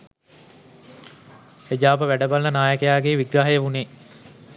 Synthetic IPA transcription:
hed͡ʒaːpəʋæɖəbalnənaːjəkəjaːɡeːʋiɡɾaːɦəjəʋuneː

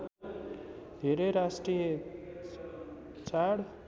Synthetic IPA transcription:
d̪ʱeɾeɾasʈrije | t͡saɽ

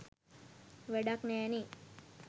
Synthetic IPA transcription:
ʋeɖaknɛːni

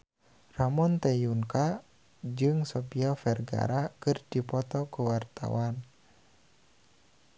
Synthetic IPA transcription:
ramɔnt̪ɛjuŋka | d͡ʒɨŋsɔpiafɛrɡa̰ɾakɨrdipɔt̪ɔkuwart̪a̰wan

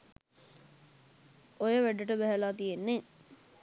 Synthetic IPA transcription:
ojəʋæɖəʈəbæɦəlaːt̪ijenːe

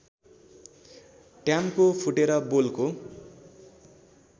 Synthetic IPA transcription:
ʈjamkopʰuʈeɾʌbolko

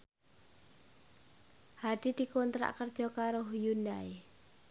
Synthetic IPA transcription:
had̪̥i̤d̪̥i̤kɔnt̪ɾa̰ʔkərd̥ʒ̥ɔ̤kaɾʊhjunae

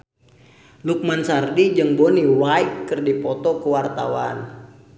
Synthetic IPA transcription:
luk̚mansardid͡ʒɨŋboniwaikːɨrdipɔt̪ɔkəwart̪awan

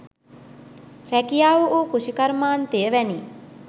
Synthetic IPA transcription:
rækijaːʋuʔoːkuʃikaɾmaːnt̪ejəʋæni

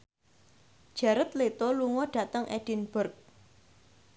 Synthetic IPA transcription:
d̥ʒ̥ä̤ɾət̪̚let̪ɔluŋɔɖ̥a̤t̪əŋʔeɖ̥ɪ̤nb̥ʊrk̚

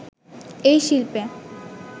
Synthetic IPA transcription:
ejʃilpe

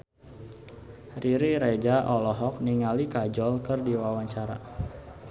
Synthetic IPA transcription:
riɾiɾed͡ʒaʔɔlɔɦɔk̚niŋalikad͡ʒɔlkərdiwawaɲt͡ʃaɾa̰

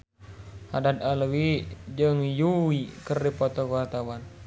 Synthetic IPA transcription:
hadat̪alwid͡ʒəŋjuwikərdipɔt̪ɔkuwart̪awan

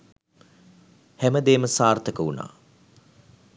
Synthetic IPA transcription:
hæməd̪eːməsaːrt̪əkəuna̰ː

